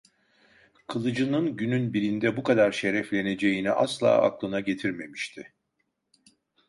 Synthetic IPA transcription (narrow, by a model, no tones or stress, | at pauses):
kʰɯlˠɯd͡ʒɯnɯnɟynynbiɾind̪ɛbukʰad̪aɾʃe̞ɾɛflʲe̞ne̞d͡ʒe̞jiniʔaslˠa̰ːa̰klˠɯnaɟe̞t̪ʰiɾme̞miʃt̪ʰɪ